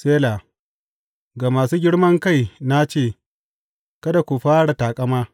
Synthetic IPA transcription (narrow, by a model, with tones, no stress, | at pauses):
seː˦laː˨ | ɡaː˨maː˨suː˦ɡʲɪ˦ɽmɐ˦ŋka˦˨jna˦t͡ʃeː˦˨ | kɐ˦da˨kʷu˨ɸaː˦ɽa˨taː˨kʼɐ˦maː˦